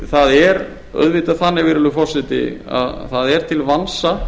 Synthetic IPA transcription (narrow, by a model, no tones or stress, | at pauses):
θaðɛɾ | œ̰ðvɪːt̪aðθanːɪvɪɾɪlʏfɔrsɪt̪ɪ̰a̰ðθaðɛɾ̥t̪ʰɪlvansa